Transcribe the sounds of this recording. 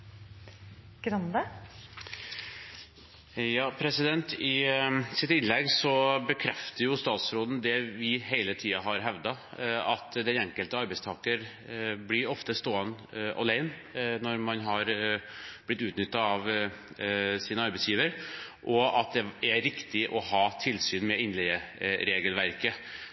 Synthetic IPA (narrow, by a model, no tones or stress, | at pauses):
ɡ̥ɾɑnd̪ə | jɑːpʰɾɛsɪd̪ɛnt̪ɪsɪt̪ɪnlɛɡsɔbəkʰɾɛft̪əɾjʊst̪ɑːt̪sɾoːd̪n̩d̪ɛʋɪɦeæɪlət̪ʰiːɑɦɑɾɦɛʋd̪ɑɑt̪d̪ɛnɛŋkəlt̪əɑɾbɛɪst̪ʰɑːkəɾ | blɪɾɔft̪əst̪oːənʔɔ̰læɪn | nɔɾmɑnɦɑɾ | b̥lɪt̪ːʉːt̪nʏt̪ːɑɑʋ | sɪnəɑɾbɛɪsjiːʋəɾʔɔɑt̪̚d̪ɛɛɾɪkt̪ɪʔɔhɑːt̪ʰɪlsyːnmɛɪnlɛəɾeːɡəlʋæɾkə